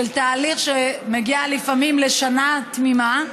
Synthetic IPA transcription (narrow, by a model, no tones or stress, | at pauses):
elt̪aːliχʃemeɡialifamimle̞ʃanat̪mima